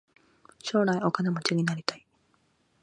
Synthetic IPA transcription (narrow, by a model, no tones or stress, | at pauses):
ɕo̞ːɾaiokanemot͡ɕiɲinaɾʲit̪ai